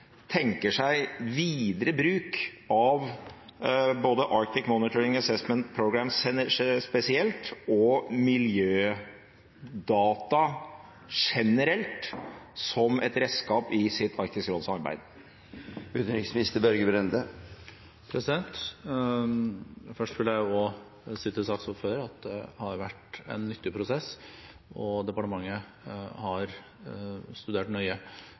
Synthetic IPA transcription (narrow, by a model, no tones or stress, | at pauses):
t̪ʰɛŋkəʂæɪʋiːd̪ɾəbɾʉːkɑʋ | boːd̪əʔɑɾk̚t̪ɪkmɔnɪt̪ʰɔɾɪŋəsɛsmənt̪̚pʰɾʊɡɾæmsɛspɛsɪɛlt̪ɔmɪljøː | d̪ɑːt̪ɑ | ʂɛnəɾɛlt̪sɔmɛ̰t̪ɾɛd̪skɑːpɪsɪt̪ʰːɑɾkt̪ɪskɾɔlsɑɾbæ̰ɪd̪ | ʉt̪ɾɪksmɪnɪst̪əbœɾɡəbɾɛnd̪ə | pʰɾɛsɪd̪ɛnt̪ | fœʂʈʋɪlːəjæɪɔ | siːt̪ʰɪsɑsɔføːɾɑt̪̚d̪ɛ̰hɑɾʋæʈɛ̰nːʏt̪ːɪpʰɾʊsɛsː | ɔd̪ɛpɑʈəmɑŋːə | hɑɾ | st̪ʉd̪eːʈnœʏə